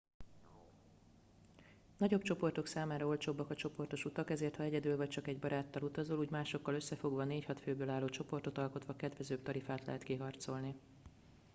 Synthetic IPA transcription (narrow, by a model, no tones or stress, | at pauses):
nɒɟo̞bt͡ʃo̞po̞rt̪o̞ksaːmaːɾɒo̞lt͡ʃoːbːɒkɒt͡ʃo̞po̞rt̪o̞ʃut̪ɒkɛzeːrt̪hɒɛɟɛd̪ylvɒc̚t͡ʃɒkɛɟbɒɾaːt̪ːɒlut̪ɒzoluːɟmaːʃo̞kːɒlø̞sːɛfo̞ɡʋɒneːchɒt̪føːbøːlaːlːoːt͡ʃo̞po̞rt̪o̞t̪ɒlko̞t̪ʋɒkɛd̪ʋɛzøːp̚t̪ɒɾifaːt̪lɛ̰ɦɛt̪kiɦɒrt̪so̞lni